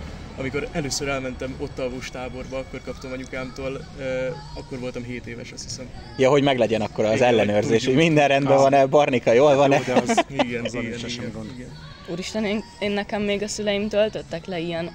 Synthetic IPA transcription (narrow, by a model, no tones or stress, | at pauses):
ɒmiko̞ɾɛløːsøɾɛlmɛnt̪ɛmo̞t̪ːɒvuʃt̪aːbo̞rbɒɒkːo̞rkɒpt̪o̞mɒɲukaːmt̪oːl | ɒkːo̞rvo̞lt̪ɒmɦeːt̪eːvɛʃɒst̪hisɛm | jɒɦo̞ɟmɛɡlɛɟɛnɒkːo̞ɾɒːzɛlːɛnøːrzeːʃhoɟmind̪ɛnrɛnd̪bɛvɒnɛbɒrnikɒjoːlvɒnɛɡɛnɡnd̪ɡn | uːɾiʃt̪ɛnen | eːnːɛkɛmːeːɡɒsylɛjimt̪ølt̪øt̪ːɛklɛijɛn